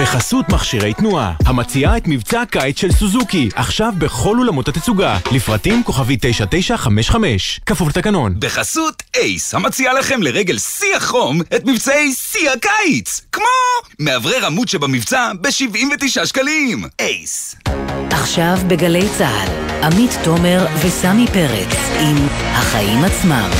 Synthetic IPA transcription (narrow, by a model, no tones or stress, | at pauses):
b̥eχasutmaχʃiʁe̞jt̪nuahamat͡siaet̪mivt͡sakajit͡sʃelsuzukiʔaχʃavbe̞χo̞lulamotat̪et͡suɡalifʁatimko̞χavit̪e̞jʃate̞jʃaχameʃχame̞ʃkafuvlt̪akano̞nbeχasutejshamat͡sialaχe̞mleʁeɡe̞lsiaχo̞met̪mivt͡sae̞jsiakajt͡skmo̞meavʁeʁamutʃebamivt͡sabe̞ʃivʔimvet̪iʃaʃkalimejs | ʔaχʃavbeɡale̞jt͡saa̰damit̪ːo̞meʁvesamipe̞ʁḛkimhaχaimat͡sma̰m